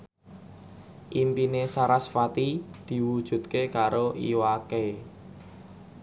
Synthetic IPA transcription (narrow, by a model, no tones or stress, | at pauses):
ʔimpinesaɾasfat̪id̪̥i̤wud̥ʒ̥ṳt̪kekaɾoḭwake